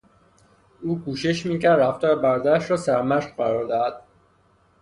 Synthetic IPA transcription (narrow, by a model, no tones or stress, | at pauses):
uːkʰuːʃeʃmiːcæɾd̪ɾæft̪ʰɒːɾebæɾɒd̪æɾæʃɾɒːsæɾmæʃχɢæɾɒːɾd̪æd̪̥̚